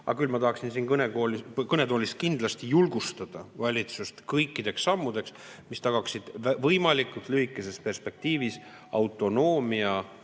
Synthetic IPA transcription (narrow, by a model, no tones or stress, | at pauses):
ʔɑ̰kylmɑt̪ɑɦɑksinsiːnkɤneɡoːlikɤne̞d̪o̞ːlʲist̪̚kind̪̥lɑst̪ijulɡ̥ust̪ɑd̪̥ɑvɑlʲit̪sust̪kɤjkːˑid̪̥e̞ksːɑmːud̪̥e̞ks | mist̪ɑɡ̥ɑksid̪̥vɤjmɑlikːˑut̪ˑlyhikːˑe̞se̞spe̞rspe̞k̚t̪iːvis | ɑwt̪ːˑo̞no̞ːmiɑ